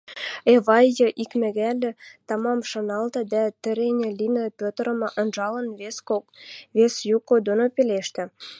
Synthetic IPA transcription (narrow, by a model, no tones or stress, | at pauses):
eβɑjːɤ̆ʔikmæ̆ɣælʲɘ̆t̪ɑmɑmʃɤ̆nɑlt̪ɤ̆d̪æt̪ə̆ɾenʲĕlinĕpʲøt̪əɾə̆mʔənʒɑlə̆nveskovesjukod̪onopeleʃt̪ɘ̆